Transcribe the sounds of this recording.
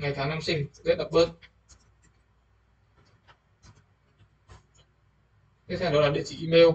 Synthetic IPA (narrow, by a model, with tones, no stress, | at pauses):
ŋa˨˩jt̪ʰaː˨˦ŋna˧msï˨˩ŋ̟˥zḛ˦˥t̚ɗə˨˩p̚ɓə˧˨n | t͡ɕi˧˦˥tsɛ˧˩ɗɔ˨˦laː˨˩ɗḭ˧˨ət͡ɕi˧˩ʔi˧me˧w